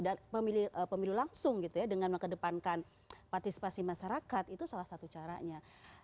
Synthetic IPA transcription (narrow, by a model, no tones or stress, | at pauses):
dapəmilihʔəpəmilulaŋsʊŋɡit̪ujadəŋanməŋkədəpankan | part̪isi̥pasimaʃaɾakat̪it̪usalahsat̪ut͡ʃaɾa̰ɲa